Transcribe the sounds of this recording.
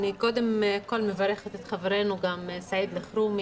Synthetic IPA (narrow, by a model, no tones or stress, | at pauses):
niko̞d̪e̞mko̞lmevaɾeχet̪et̪χaveɾenuɡamsaid̪leχɾum